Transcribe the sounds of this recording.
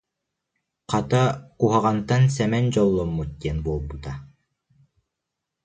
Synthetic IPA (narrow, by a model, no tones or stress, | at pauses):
qɑt̪aquɦɑʁɑnt̪ansɛmɛnd͡ʑɔlˠːɔmːut̪̚ːʲiɛnbulˠbut̪a